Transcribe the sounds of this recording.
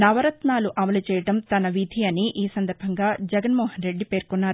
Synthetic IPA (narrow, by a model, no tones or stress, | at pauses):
nɐʋɐɾɐt̪naːluʔɐmɐlut͡ʃɛːjɐʈɐmt̪ɐnɐʋid̪ʱiɐniʔiːsɐnd̪ɐɾbʱɐŋɡaːd͡ʒɛɡɐnmɔːhɐnɾe̞ɖːipe̞ːɾkunːaːɾu